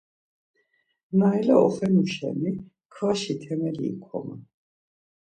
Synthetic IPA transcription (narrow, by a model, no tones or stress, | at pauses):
naɛlaɔχɛnuʃɛ̰mi | kʰvaʃit̪ʰɛmɛlḭːkʰɔ̰ma